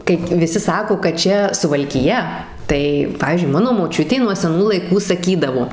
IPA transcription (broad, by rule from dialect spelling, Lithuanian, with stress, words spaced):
ˈkɐɪp ʋʲɪˈsʲɪ ˈsɑːkoː kɐt ˈt͡ʃʲɛ sʊʋɐlʲkʲɪˈjɛ tɐɪ ˈpɑːʋʲiːzʲd͡ʒʲʊɪ ˈmɑːnoː moːˈt͡ʃʲʊtʲeː nuɔ sʲɛˈnuː lˠɐɪˈkuː sɐˈkʲiːdɐʋoː